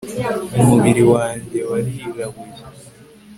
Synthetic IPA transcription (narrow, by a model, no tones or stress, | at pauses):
umuβiɾiwaːɲɟe̞waɾizaɡij